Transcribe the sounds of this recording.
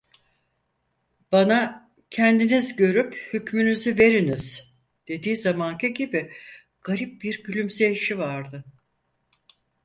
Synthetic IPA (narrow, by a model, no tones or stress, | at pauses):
b̥ana | cʰɛnd̪inizɟø̞ɾyphycmynyzyve̞ɾiniz̥ | d̪̥e̞d̪iːzamaŋcʰɯɟibi | ɡ̥aɾip̚biɾɟylʲymseiʃivaɾd̪ɯ